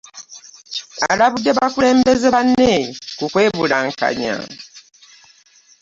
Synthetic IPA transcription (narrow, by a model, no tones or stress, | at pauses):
alaβudːeβakule̞ːmbe̞zeβanːekukwe̞ːβulaŋka̰ɲa̰